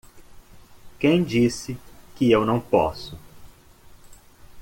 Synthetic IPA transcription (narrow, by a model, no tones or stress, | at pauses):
kẽj̃d͡ʒisɪkɪewnɐ̃w̃pɔ̰sʊ